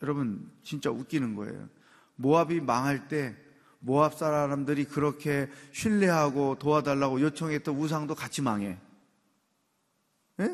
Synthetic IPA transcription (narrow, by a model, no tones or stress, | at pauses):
jʌɾʌbɯnt͡ɕint͡ɕ͈auk͈inɯnɡʌ̰ḛjo̰ | moabimaŋɦaɭt͈e̞ | moap̚s͈aɾaɾamdɯɾikɯɾʌkʰe̞ɕʰiɭːeɦaɡotoadaɭːaɡojot͡ɕʰʌŋe̞t͈ʌus̬ʰaŋdokat͡ɕʰimaŋe̞ | je